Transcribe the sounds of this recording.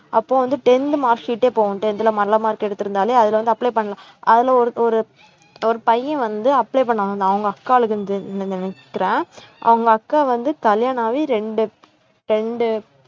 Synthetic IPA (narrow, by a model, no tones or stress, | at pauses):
ʔɐpːoːʋɐnd̪ɯʈɛnd̪maːɾʂiːʈːeːpoːɣɐ̃ʈɛnd̪ɪlɐmɐɾlɐmaːɪɾkːɛɽɯt̪ːɪɾɯnd̪aːleːɐðɪlʋɐnd̪ɯɐpːlɛɪpɐɳːɐlãː | ʔɐðɪlɐɔɾɯɔɾɯ | ɔɾɯpɐjːɛ̃ʋɐnd̪ɯɐpːleɪpɐɳːɐnd̪̃ɐʋɐŋɡɐɐkːaːɐɭɯkːɯnnɪnɪkːɪɾẽːʔɐ̰ʋɐŋɡɐːkːaːʋɐnd̪ɯkɐljaːɳaːʋiɾɛɳɖɯ | ɾɛɳɖɯ